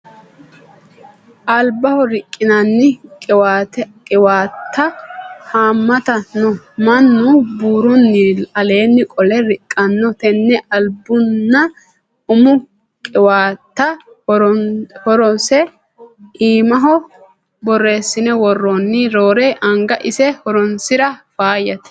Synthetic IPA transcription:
ʔɐlbɐhɔɾɪkʼːɪnɐnːɪkʼɛwat̪kʼɛwaːt̪ːɐhaːmːɐt̪ɐnːɔ | mɐnːʊbuːɾʊnːɪɐle̞ːnːɪkʼɔlɛɾɪkʼːɐnːɔt̪ɛnːɛʔɐlbʊnːɐ | ʊmʊ | kʼɛwaːt̪ːɐ | ɾɔhɔɾɔnsɛ | ʔiːmɐɦɔ | bɔrːe̞ːsːɪnɛwɔrːɔnːɪɾoːɾeːʔɐŋɡɐʔɪsɛhɔɾɔnsɪɾɐfaːjɐt̪

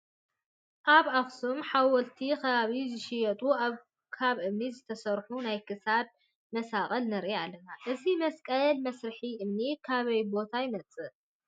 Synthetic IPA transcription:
ʔaβaxsumħawɔlt̪ʰikʰɐβaβizɨʃɪjɐt̪ʼuaβ | kʰaβʔɨmnizɨt̪ʰɐsɐɾħunajkʰɨsad̪̚ | mɐsakʼɐlnɐɾialːɐnaʔɨzimɐskʼɐlmɐsɾɨħiʔɨmnikʰaβɐjbo̞t̪ʰajɪnɐt͡sʼːɨ

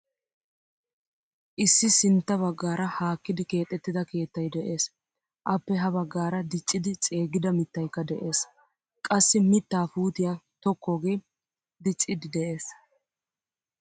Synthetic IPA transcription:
ʔɪsːɪsɪnt̪ːɐβɐɡːaːɾɐhaːkːɪd̪ɪke̞ːt̪ʼːɛt̪ːɪd̪ɐke̞ːt̪ːɐjd̪ɛʔe̞ːs | ʔɐpːɛɦɐβɐɡːaːɾɐd̪ɪt͡ʃʼːɪd̪ɪt͡sʼe̞ːɡɪd̪ɐmɪt̪ːɐjkːɐd̪ɛʔe̞ːs | kʼɐsːɪmɪt̪ːaːfuːt̪ɪjat̪ɔkʰːoːɡe̞ː | d̪ɪt͡ʃʼːɪd̪ɪd̪ɛʔe̞ːs

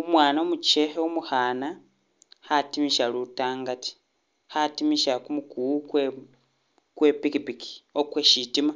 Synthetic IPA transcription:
umwaːnomut͡ʃeheomuhaːna | hatimiʃalutaːŋɡati̥ | hatimiʃakumukukwe | kwe̞pikipiki̥okweʃitima

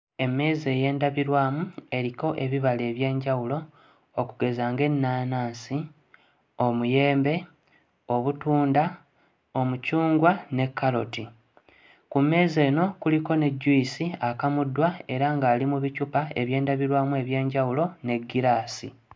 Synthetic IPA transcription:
e̞mːe̞ːze̞ːje̞ːndaβiɾwaːmue̞ɾiko̞ʔe̞βiβale̞ːβje̞ːɲɟawulo̞ː | kuɡe̞zaːŋɡe̞nːaːnaːnsi | o̞muje̞ːmbe̞ | o̞βutuːnda | o̞mucuːŋɡwane̞kːalo̞ti | kumːe̞ːze̞ːno̞kuliko̞ne̞ɟːuisiakamudːwae̞ɾaŋɡaːlimuβicupae̞βje̞ːndaβiɾwaːmue̞βje̞ːɲɟawulo̞ne̞ɡːiɾaːsḭ

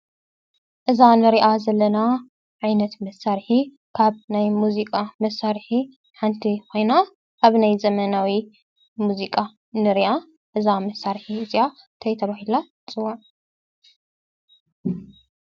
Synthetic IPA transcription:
ʔɨzanɨɾiʔazɐlːɐna | ʕajnɐt̪mɐsaɾħi | kʰaβnajmuzikʼamɐsaɾħi | ħant̪ʰiko̞jna | ʔaβnajzɐmɐnawi | muzikʼa | nɨɾiʔa | ʔɨzamɐsaɾħiɨzia | t̪ʰɐjt̪ʰɐβahila | t͡sʼɨwan

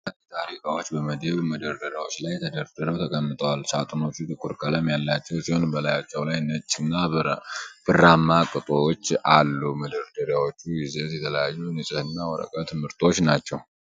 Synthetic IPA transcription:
at̪ʰʼaɾikʼawo̞t͡ʃːbəməd̪eβuməd̪əɾd̪əɾjawo̞t͡ʃːlajt̪ʰəd̪əɾd̪̥əɾəβt̪ʰəkʼəmːɨt̪ʼʰəwalsat̪ʼɨno̞t͡ʃːut̪ʼɨkʼːuɾkʰʼələmjalːat͡ʃːɛwsiho̞nbəlajat͡ʃːɛwlajnət͡ʃʼːnːa | b̥ɨramːakʼɨt̪ʼoot͡ʃːalːuməd̪əɾd̪əɾjawo̞t͡ʃːuɡizet̪jɛt̪ʰələjajːunɨt͡ʃʼɨhɨnːawɔɾə̰kʼət̪ʰɨmhɨɾt̪ʼʰo̞t͡ʃːnat͡ʃːɛw

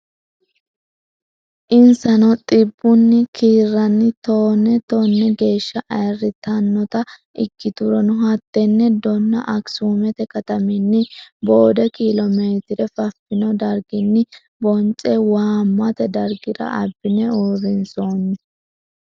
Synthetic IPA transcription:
ʔɪnsɐnɔt̪ʼɪbːʊnːɪkiːrːɐnːɪt̪oːnːɛt̪oːnːɛɡe̞ːʃːɐʔɐjɐrːɪt̪ɐnːɔt̪ɐ | ʔɪkːɪt̪ʊɾɔnʊɦɐt̪ːɛnːɛd̪ɔnːɐ̰ʔɐksuːmɛt̪ɛkɐt̪ɐmɪnːɪbo̞ːd̪ɛkilɔmeːt̪ɪɾɛfɐfːɪnɔd̪ɐɾɡɪnːɪ | bɔnt͡ʃʼɛwaːmːɐt̪ɛd̪ɐɾɡɪɾɐ̰ɐbːɪnɛoːɾɪnsoːnːɛ

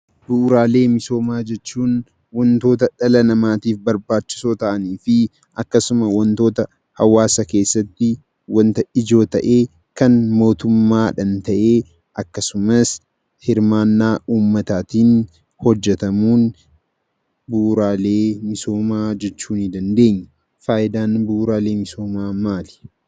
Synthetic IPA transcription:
bʊʔɾaːle̞ːmɪso̞ːmaːd͡ʒɛt͡ʃːuːn | wɔnt̪o̞ːt̪ɐᶑɐlɐnɐmaːt̪iːfbɐɾbaːt͡ʃːɪ̥soːt̪ɐʔɐniːfɪ | ʔɐkːɐsʊmɐwnt̪o̞ːt̪ɐ | hɐwaːsɐke̞ːsːɐt̪ːɪ | wɐnt̪ɐɪd͡ʒo̞ːt̪ɐʔeː | kɐnmo̞ːt̪ʊmːaːᶑɐnt̪ɐʔe̞ː | ʔɐkːɐsʊmɐs | hɪɾmaːnːaːʔuːmːɐt̪aːt̪iːn | hɔd͡ʒːɛt̪ɐmuːn | buːɾaːle̞ːmɪso̞ːmaːd͡ʒɛt͡ʃːuːnɪd̪ɐnd̪e̞ːɲːʊ | faːʔɪd̪aːnbuːɾaːle̞ːmɪso̞ːmaːmaːlɪ̥

